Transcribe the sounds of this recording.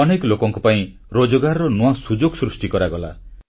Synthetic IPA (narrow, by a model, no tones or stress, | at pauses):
ɔneklokɔŋkupaĩ | ɾod͡ʒɔɡaɾɾɔnowasud͡ʒoɡsɾusʈikɔɾaɡɔla̰